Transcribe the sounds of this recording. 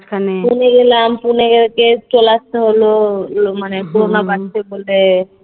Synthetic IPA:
kʰanepuneɡelampuneɡelket͡ɕolast̪eɦololomanekoɾonabaʈt͡ɕʰebole

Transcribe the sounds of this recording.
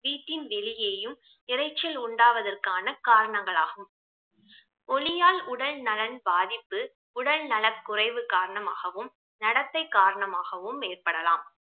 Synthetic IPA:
ʋiːʈːɪnʋɛlɪjeːjɯm | ɪrɐɪt͡ʃːɐlʊɳɖaːʋɐðɐrkaːnɐkaːɾɐɳɐŋɡɐɭaːɣɯm | ɔɭɪjaːlʊɽɐlnɐlɐnbaːðɪpːɯ | ʊɽɐlnɐlɐkːʊrɐɪʋɯkaːɾɐɳɐmaːɣɐʋɯm | nɐɽɐt̪ːɐɪkːaːɾɐɳɐmaːɣɐʋɯmːeːrpɐɽɐlaːm

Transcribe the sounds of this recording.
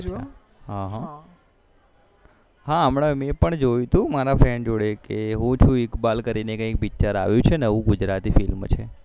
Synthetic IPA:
ɦãɦã | ɦaəmɳamepəɳd͡ʒojũt̪ũmaɾafɾɛɳɖd͡ʒoɽekeɦũt͡ʃʰũikbalkəɾinekə̃ĩk̚bit͡ʃaɾa̰ʋjũt͡ʃʰenəʋũɡʊd͡ʒɾat̪ifilmt͡ʃʰe

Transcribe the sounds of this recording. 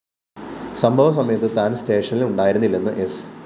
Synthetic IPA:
sɐmbʱɐʋɐs̬ɐmɐjɐt̪ːɨt̪aːnst̪e̞ːʂɐniluɳɖaːjiɾunːilːenːɨʔes

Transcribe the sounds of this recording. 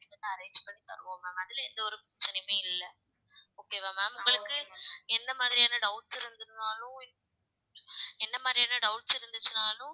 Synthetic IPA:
ɛnːɐɐɾeːɲd͡ʒpɐɳːit̪ɐ̰ɾɯʋõːmaːmɐðɪlɛnd̪ɐɔɾɯpɾɛt͡ʃːɐnɐɪmeːɪlːɐ | oːkːeːʋaːmaːmʊŋɡɐɭɯkːɯɛnd̪ɐmaːðɪɾijaːnɐɖɐʊʈsɪɾɯnd̪ɯɾɯnaːlʊ̃ɪ | ɛnːɐmaːðɪɾijaːnɐɖɐʊʈsɪɾɯnd̪ɯt͡ʃːɯnaːlʊ̃

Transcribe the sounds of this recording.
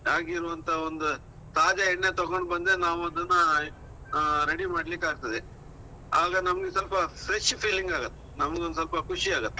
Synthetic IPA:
aːɡiɾuʋɐnt̪ʰɐond̪u | saːd͡ʒɐɛɳːe̞t̪ɔɡoɳɖbɐnd̪ɾenaːʋuɐd̪ɐnːɐ | ɾeɽimaːɽlikːaːɡ̚t̪ɐd̪e | aːɡɐnɐmɐɡesɐlpɐfɾeʃpʰiːliŋɡaːɡɐt̪ːe̥nɐmɐɡeond̪sɐlpɐkʰuʂiaːɡɐt̪ːeɛ

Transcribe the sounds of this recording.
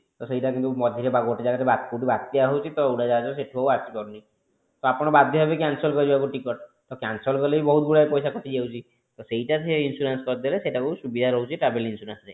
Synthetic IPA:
t̪ɔsejʈakint̪umɔd̪ʱiɾebaɡoʈid͡ʒaɡat̪ebat̪kuʈibat̪ːiaɦowt͡ʃʰit̪ɔuɽad͡ʒad͡ʒabeseʈʰubʱauat͡ʃikɔɾuni | t̪ɔapɔɽ̃ɔbad̪ʱjɔbabekansɔlkɔɾid͡ʒibakuʈikɔɾt̪ɔkansɔlkɔlebibɔɦut̪ɡuɽajpɔjsakɔt̪ʰid͡ʒawt͡ʃʰi | t̪ɔsejʈat̪ʰieinsuɾanskɔɾd̪eleseʈakusubid̪ʱaɾɔɦwt͡ʃʰiʈɾabelinsuɾanse

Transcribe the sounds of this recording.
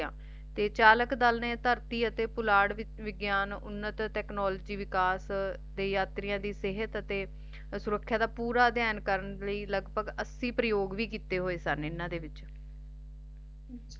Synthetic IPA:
ãː | t̪eːt͡ʃaːləkd̪əlnẽːt̪əɾt̪iːət̪eːpʊlaːɽɪ | ʋɪɡjaːnʊ̰nːət̪ʈɛːknɔːlːd͡ʒiːʋɪkaːs | d̪eːjaːt̪ɾɪjãːd̪iːsɪɦət̪ət̪eː | sʊɾəkʰːjaːd̪aːpuːɾaːd̪jaːnkəɾənləiːləɡbʱəɡəsiːpɾəjoːɡʋiːkiːt̪eːɦoːeːsənɪnːãːd̪eːʋɪt͡ʃ

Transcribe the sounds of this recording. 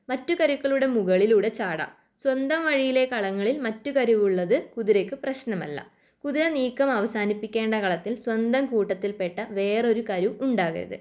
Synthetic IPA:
mɐtːukɐɾukːɐɭuɽe̞muɣɐɭiluɽe̞t͡ɕaːɽɐ̰ | swɐnd̪ɐmʋɐɻijile̞kɐɭɐŋːɐɭilmɐtːukɐɾuʋuɭːɐðɨkuðiɾekːɨprɐɕnɐmɐ̰lːɐ̰ | kuðiɾɐniːkːɐmɐʋɐsaːnipːikʲːe̞ːɳɖɐkɐɭɐt̪ːilswɐnd̪ɐmkuːʈːɐt̪ːilpe̞ʈːɐʋe̞ːro̞ɾukɐɾuuɳɖaːɣḭɾɐ̰ðɨ̰

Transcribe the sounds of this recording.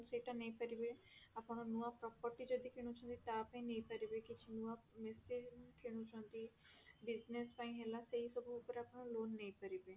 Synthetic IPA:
seːʈãnɐ̃ĩpəɾibe | apːñõnuːãpɾɔːpəɾʈid͡ʒəd̪ikʰeːɽ̃ũt͡ʃõnd̪it̪aːpãːĩnɐĩpəɾibekit͡ʃʰinuãmesekʰeːɽ̃ũt͡ʃõnd̪iː | bɪznespãːĩɦeːlasəisəbʱuːpəɾapɳ̃õloːnːɐĩpəɾibeː

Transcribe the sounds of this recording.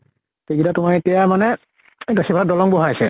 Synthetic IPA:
teɡidatʊmaɹetijamanɛ | daxibʱaadɔlɔŋbɔɦaasɛ

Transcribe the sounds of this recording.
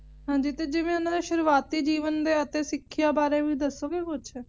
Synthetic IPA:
ɦãːɲd͡ʒiːt̪eːd͡ʒɪʋẽːʊnãːd̪eʃəɾʋaːt̪iːd͡ʒiːʋənd̪eːət̪eːsɪkʰːjaːbaːɾeːʋiːd̪əsoːɡeːpʊt͡ʃʰɛː

